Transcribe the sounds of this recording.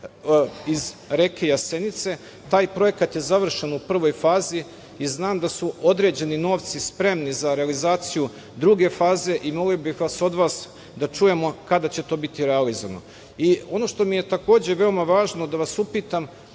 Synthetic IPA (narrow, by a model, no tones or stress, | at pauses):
izɾekejase̞nit̪se̞ | t̪aːjpɾo̞je̞kat̪je̞zaʋr̩ʃe̞nupr̩ʋo̞jfaːzi | iznaːmd̪asuo̞d̪ɾe̞d͡ʑe̞nino̞ːʋt̪sispɾe̞mnizaɾe̞alizaːt̪siju | d̪ɾuɡe̞faːze̞ʔimo̞lijobixʋaso̞d̪ʋaːs | d̪at͡ʃuje̞mo̞kad̪at͡ɕe̞t̪o̞ːbit̪iɾealizoʋno̞̰ | io̞no̞ʃt̪o̞mije̞t̪ako̞ːd͡ʑe̞ʋe̞o̞maʋaːʒnod̪aʋasupit̪am